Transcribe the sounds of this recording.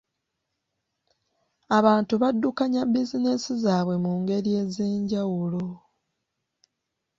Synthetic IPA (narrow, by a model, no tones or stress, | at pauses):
aβaːntuβadːukaɲabizinesizaːβwe̞muːŋɡe̞ɾije̞ze̞ːɲɟawulo